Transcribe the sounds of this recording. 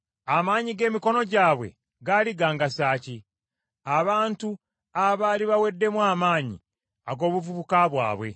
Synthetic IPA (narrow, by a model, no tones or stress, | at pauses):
amaːɲiɡe̞ːmiko̞no̞ɟaːβwe̞̰ | ɡaliɡaːŋɡasaːci | aβaːntu | aβaːliβawe̞dːe̞mwaːmaːɲḭ | aɡo̞ːβuvuβukaβwa̰ːβwe̞̰